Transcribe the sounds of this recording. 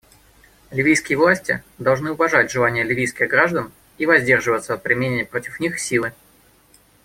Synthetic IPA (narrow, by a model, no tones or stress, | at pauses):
lʲɪvʲijskʲɪjəvlˠasʲtʲɪ̰d̪ɐlˠʐnɨʊvɐʐatʲʐɨlˠanʲɪjəlʲɪvʲijskʲɪɣɡɾaʐd̪ən | ivɐzʲdʲe̞rʐɨvət̪səpɾʲɪmʲenʲɪnʲɪpɾotʲɪfnʲixsʲilˠɨ